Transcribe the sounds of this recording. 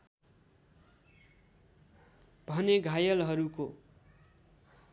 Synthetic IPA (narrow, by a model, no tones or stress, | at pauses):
bʱʌneɡʱajʌlɦʌɾuko